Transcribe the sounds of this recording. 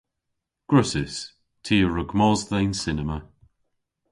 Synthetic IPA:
ɡ̥ɹʊsɪs | tʰiːəɹəɡmɔzðɛjnsɪnɛmə

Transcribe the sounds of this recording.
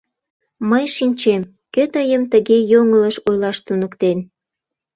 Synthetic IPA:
məjʃinʲt͡ɕem | køt̪əjəmt̪əɣejoŋələʃojlɑʃt̪unəkt̪en

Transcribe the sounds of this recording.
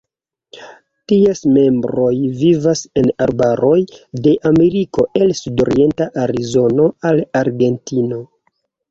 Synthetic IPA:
tiesme̞mbɾo̞jvivase̞naɾbaɾo̞jde̞ʔame̞ɾiko̞ʔe̞lsudo̞̰ɾie̞ntaʔaɾizo̞no̞alaɾɡe̞ntino̞

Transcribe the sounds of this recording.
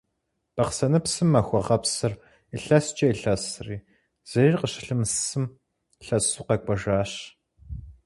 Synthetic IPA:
b̥ɐqsɐnɨpsɨmːɐxʷɔʁɐpsɨr | iɬɐst͡ʃʼɐiɬɐsriː | z̥ɐriːrqəɕɪɬɨmssɨm | ɬɐsuːqɐkʷʼɔʒaːɕ

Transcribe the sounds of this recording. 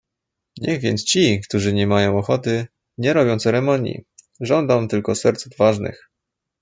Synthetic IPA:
ɲɛɣvʲjɛ̰nt̪st͡ɕikt̪uʐɘɲɛmajɔ̃w̃ɔxɔt̪ɘ | ɲɛɾɔbʲjɔ̃w̃t̪sɛɾɛmɔɲjḭ | ʐɔnd̪ɔ̃w̃t̪ɘlkɔsɛɾt̪suvvaʐnɘ̰x

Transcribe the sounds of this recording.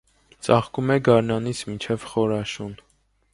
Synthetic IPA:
t͡sɑχkumɛɡɑɾnɑnit͡sʰmint͡ʃʰɛvχɔɾɑʃun

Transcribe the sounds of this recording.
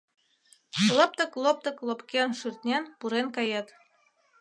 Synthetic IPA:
lɤ̆p̚t̪ɤ̆klˠop̚t̪ɤ̆klˠopkʲenʃyrt̪nʲenpuɾenkɑjɑt̪

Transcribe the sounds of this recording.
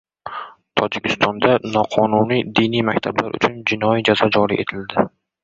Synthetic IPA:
t̪ʰɒd͡ʒɪkʲʰɪst̪ʰɒnd̪anɒqʰɒnunijd̪ijnijmakʲt̪ʰabla̰ɾʔʊ̰t͡ʃʰʊnd͡ʒɪnɒid͡ʒazɒd͡ʒɒɾḭʔe̞t̪ʰɪld̪ɪ

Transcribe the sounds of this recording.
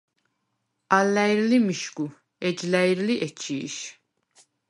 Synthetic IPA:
alːæjiɾlimiʃɡu | ɛd͡ʒlæjiɾliʔɛt͡ʃʰiʃ

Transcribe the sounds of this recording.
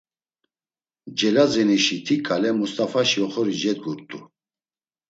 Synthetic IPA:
d͡ʒɛlazɛniʃit̪ʰikʰalɛmust̪ʼafaʃiɔχɔɾid͡ʒɛd̪̚ɡuɾt̪ʼu

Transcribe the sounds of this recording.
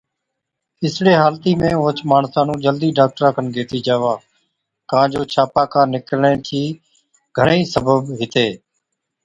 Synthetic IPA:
ɪsɽeːɦaːlt̪iːmẽːõːt͡ʃmaːɳsãːnũːd͡ʒəld̪iːɖaːk̚ʈəɾãːkʰənɡʱeːʈ̪iːd͡ʒaːʋaː | kãːd͡ʒoːt͡ʃʰaːpaːkãːnɪklɳẽːt̪ʰiː | ɡʱəɳiːsəbəbɦɪt̪eː

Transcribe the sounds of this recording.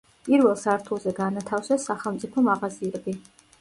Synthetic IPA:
pʼiɾvɛlˠsaɾt̪ʰulˠzɛɡanat̪ʰafsɛsːaχɛlˠmt̪sʼipʰɔmaʁaziɛbi

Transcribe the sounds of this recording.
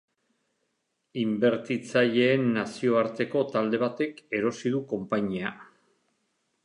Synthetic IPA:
imbe̞ɾt̪it͡saʎe̞ːnːasio̞aɾt̪e̞ko̞t̪ald̪e̞β̞at̪e̞ke̞ɾo̞siðuko̞mpaɲia

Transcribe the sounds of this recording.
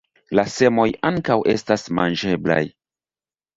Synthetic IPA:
lase̞mo̞jaŋkawʔe̞̰stasma̰nd͡ʒe̞bla̰j

